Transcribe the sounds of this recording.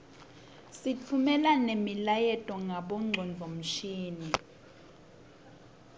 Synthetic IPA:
sit͡fʰumɛlanemilajɛtʼɔŋʱaɓɔŋ͡ǀʱɔnd͡ɮʱom̩ʃiːni

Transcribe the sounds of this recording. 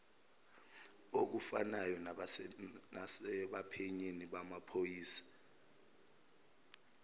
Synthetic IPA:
ok̬ufa̰najɔ | nsɛɓapʰɛɲeniɓamapʰojiːsḁ

